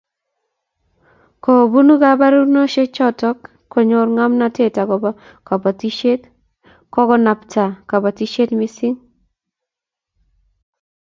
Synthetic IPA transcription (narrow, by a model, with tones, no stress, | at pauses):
ko˨bu˦nu˦ka˦ba˦ɾu˦no˦ʃe˦t͡ʃɔ˦tɔ˦kʰː | o˨ɲo˨ɾŋa˦mna˨te˦˨ta˨kɔ˨ba˦ | ka˨ba˨ti˦ʃe˦t | kɔ˦kɔ˦na˨ptʰa˨ka˨ba˨ti˦ʃe˦tmi˦sɪ˦ŋ